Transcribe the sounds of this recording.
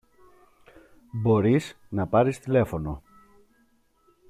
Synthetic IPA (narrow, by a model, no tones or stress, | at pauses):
bo̞ɾiz | nɐpɐɾist̪ile̞fo̞no̞